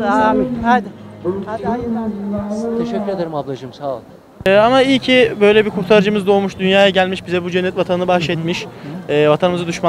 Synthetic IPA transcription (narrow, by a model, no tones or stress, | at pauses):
t̪ʰeʃɛcʰʲːyɾed̪eɾɯmablˠad͡ʒɯmsalˠ | ɛːamaicʰibø̞jlʲɛbiɾkʰuɾt̪ʰaɾɯd͡ʒɯmɯzd̪o̞ːmuʃd̪ynjaːjaɟælʲmiʃbizɛbud͡ʒɛnːɛt̪vat̪ʰanɯnɯbahʃɛt̪miʃɛːvat̪ʰanɯmɯzad̪uʃma